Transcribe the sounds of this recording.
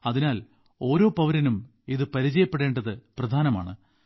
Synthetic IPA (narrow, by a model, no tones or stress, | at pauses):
ɐðinaːl | o̞ːɾo̞ːpɐʋɐɾɐnum | iðɨpɐɾit͡ɕɐjɐpːe̞ɽe̞ːɳɖɐðɨprɐd̪ʱaːnɐma̰ːɳɨ